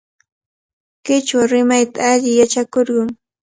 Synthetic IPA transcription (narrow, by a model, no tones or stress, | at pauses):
kɪt͡ʃaɾɪmajt̪aaʎɪjat͡ʃakoɾɢɑŋ